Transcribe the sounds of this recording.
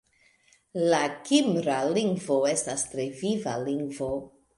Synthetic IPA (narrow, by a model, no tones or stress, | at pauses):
lakimɾaliŋɡvo̞e̞stastɾe̞viva̰liŋɡvo̞